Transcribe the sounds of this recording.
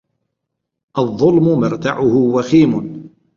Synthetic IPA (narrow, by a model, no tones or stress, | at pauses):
ʔɑðˤːʊlmʊmɪɾˤt̪a̰ʕʊhʊwaxiːmʊ